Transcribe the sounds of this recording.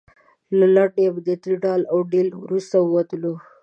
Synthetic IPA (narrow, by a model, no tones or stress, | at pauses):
lalaʈebd̪ət̪ɾiɖɑlawɖelwɾust̪aəwat̪əlo